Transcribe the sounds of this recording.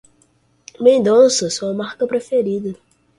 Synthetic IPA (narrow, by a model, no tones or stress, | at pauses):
mẽnd̪õsɐsoɐmaɾkɐpɾefeɾid̪ɐ